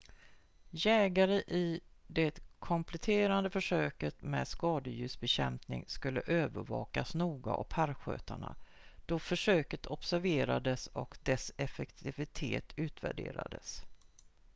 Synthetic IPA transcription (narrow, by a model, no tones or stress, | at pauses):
jɛːɡaɾəʔɪd̪ɛt̪kʰɔmpʰlɛt̪ʰeːɾand̪əfœʂøːkət̪mɛːd̪skɑːd̪əjʉ̟ːsbɛɕɛmpnɪ̰ŋskɵlːəʔøːvəɾvɑ̰ːkasnuːɡa̰ʔɔpʰæɾɧø̰ːt̪aɳa̰d̪̥ɔfœʂøːkət̪ʰɔpsæɾveːɾad̪əsɔkd̪ɛsɛfɛkt̪ʰɪvɪt̪ʰeːt̪ʰʉ̟ːt̪væ̰ɖḛːɾa̰d̪əs